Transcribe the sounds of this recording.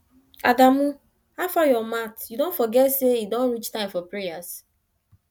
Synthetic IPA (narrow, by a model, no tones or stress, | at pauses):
adamu | hafajɔmatjudõnfɔɡɛtseidõnɾit͡ʃtãɪ̃ɱfɔpɾejas